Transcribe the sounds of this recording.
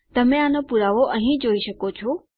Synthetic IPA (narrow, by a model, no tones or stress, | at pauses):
t̪əmẽanopuɾaʋoʔəɦĩd͡ʒoːiʃəkot͡ʃʰo